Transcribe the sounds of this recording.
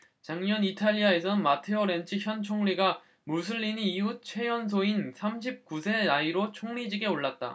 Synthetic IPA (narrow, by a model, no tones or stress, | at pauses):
t͡ɕaŋɲʌnitʰaʎːiae̞sʰʌnmatʰeoɾe̞nt͡ɕʰiçjʌnt͡ɕʰoŋɲiɡa | mus̬ʰɯʎːiniːut͡ɕʰwe̞jʌns̬ʰoinsʰamɕʰip̚kusʰe̞aiɾot͡ɕʰoŋɾid͡ʑiɡe̞oɭːat̚t͈a̰